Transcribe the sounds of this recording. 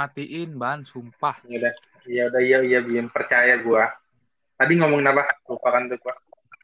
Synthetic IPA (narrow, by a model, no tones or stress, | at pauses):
at̪iʔɪnbaansumpahjadah | jaudahijaijabiaŋpərt͡ʃajaɡua | t̪adiŋomɔŋnabahat̪upakant̪ukuaʔ